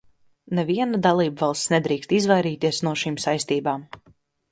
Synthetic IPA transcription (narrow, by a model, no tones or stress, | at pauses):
neviɛnad̪alˠiːbvɑlˠst̪ʲsnɛd̪ɾiːkst̪izvajɾiːt̪iɛsnuɔʃiːmsajst̪iːbaːm